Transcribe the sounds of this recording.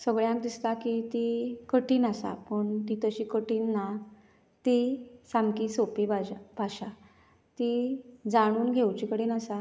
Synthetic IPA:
səɡɭjãk̚d̪ist̪akit̪ikəʈiːnasa̰pəɳt̪it̪əɕiːkəʈiːnːa | t̪isamkisopibaabʱaɕa | t̪id͡zaɽ̃uːnɡʱewt͡ɕikəɽiːnasa

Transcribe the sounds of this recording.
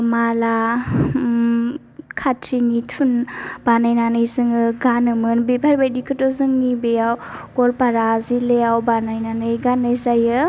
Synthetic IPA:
mala | kʰatʰːinitʰunb̥anajnanɯjzɯŋɯɡanɯmɯnbebʱʰaɾbajdikʰɯtɔzɯŋnibejawɡ̥ɔlpaɾazilejawbanajnanɯjɡanːɯjzajɯ

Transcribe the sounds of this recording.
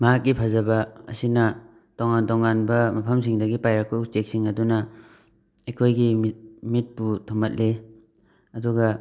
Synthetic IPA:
mɐɦak̚ːipʰɐzɐbɐɐ̰sinɐ | toŋantoŋanbɐmɐpʰɐms̬iŋdɐɡipajɾɐk̚pɐutek̚siŋɐdunɐ | ekʰojɡimit̚putʰomɐt̚le | ɐduɡɐ

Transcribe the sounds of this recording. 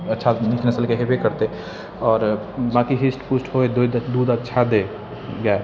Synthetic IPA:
ɐtːʃʰaniknəsəlkeɦebʱekəɾt̪e | ɔːɾ | bãkiɦisʈpusʈɦoed̪d̪d̪uːd̪ətːʃʰad̪e | ɡɛe

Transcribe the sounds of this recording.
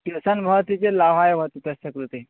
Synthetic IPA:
kisanbʱaʋt̪it͡selaʋ̤ajʋ̤ət̪et̪əsəkɾut̪i

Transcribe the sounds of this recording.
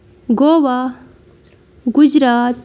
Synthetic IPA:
ɡoːʋaː | ɡʊd͡ʒɾaːt̪

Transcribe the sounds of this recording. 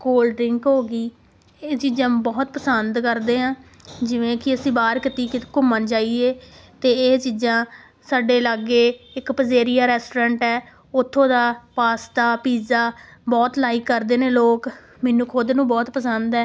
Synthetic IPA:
koːlɖɾɪŋkɦoːɡiː | eːt͡ʃiːd͡ʒãːbɔːt̪̚pəsənd̪kəɾd̪eːɦãː | d͡ʒɪʋẽːkɪəsĩːbaːɾkɪt̪iːkɪkʊmənt͡ʃaːieː | t̪eːt͡ʃiːd͡ʒãː | saːɖeːlaɡeːɪkpəzeːɾɪjaːɾɛːsʈːɾɛ̃ːɳʈɛː | ʊt̪ʰːõːd̪aːpaːst̪aːpiːzaːbɔːt̪laːiːkːəɾd̪eːneːloːk | mɛːnũːkʰod̪nũːbɔːt̪pəsənd̪ɛː

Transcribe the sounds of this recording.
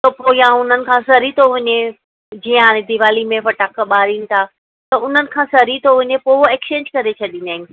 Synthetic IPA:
t̪ɐpojãʊn̤ənɪ̆kʰãːsɐɾit̪ʰoʋɐɲe | d͡ʑiːə̃ẽd̪iʋaːlimẽfɐʈaːkəɓaːɾiːnɪ̆t̪ʰaː | t̪ɐʊn̤ənɪ̆kʰãːsɐɾit̪ʰoʋɐɲepoːɦoeːkt͡ɕẽːɲd͡ʑkɐɾet͡ɕʰɐɗĩnaːɦɪ̃nɪ

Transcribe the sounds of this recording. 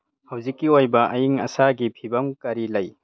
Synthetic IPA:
hɐwzikːiojbɐʔɐjiŋɐ̰saɡipʰibɐmkaɾilɐj

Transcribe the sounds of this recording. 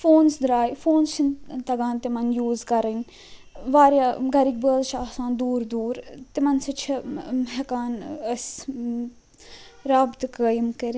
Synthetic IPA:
foːnsd̪ɾaːjfoːnst͡ʃʰint̪ɐɡãːnt̪imɐnjuːzkɐɾən | ʋaːɾjaːɡɐɾik̚bəːlʃaːsãːnd̪uːɾd̪uːɾt̪imɐnsɐt͡ʃʰɐɦɐkaːnəs | ɾaːbt̪kəjmkəɾ

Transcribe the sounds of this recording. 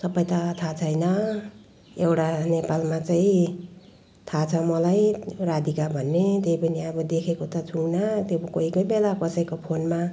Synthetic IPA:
sʌbʌjt̪ʌt̪ʰat͡sʰʌjnʌ | ewʈanepalmat͡saĩ | t̪ʰat͡sʰʌmʌlajrad̪ikabʱʌnːet̪ejpʌniʌbʌd̪ekʰekot̪ʌt͡sʰuŋnat̪jokoikʌjbelakʌsʌjkopʰonma

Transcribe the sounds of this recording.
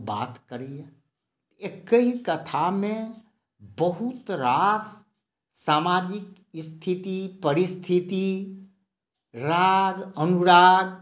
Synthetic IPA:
ba̰ːt̪kəɾij | ekəɦikɐt̪ʰamẽ | bəɦʊt̪ɾaːs | saːmaːd͡ʒɪk | ɪst̪ʰɪt̪ipəɾɪst̪ʰɪt̪i | ɾaːɡənʊɾaːɡ

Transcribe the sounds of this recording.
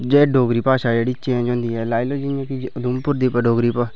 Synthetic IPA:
d͡ʒeɖoːɡɾiːpaːʃaːd͡ʒeːɽiːɪt͡ʃːʃẽːɛ̃ːd͡ʒõːnd̪iːɦɛːlaːiloːd͡ʒijãːkid̪ʊmpʊɾd̪iːpəɖoːɡɾiːpa

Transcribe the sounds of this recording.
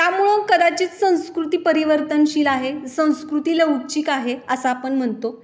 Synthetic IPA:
t̪jamuɭəkəd̪at͡ɕiːt͡ssə̃w̃skɾut̪iːpəɾiʋəɾt̪ənɕiːlaɦesə̃w̃skɾut̪iːleut͡ɕiːkaɦeəsaːpəɳm̤əɳt̪o

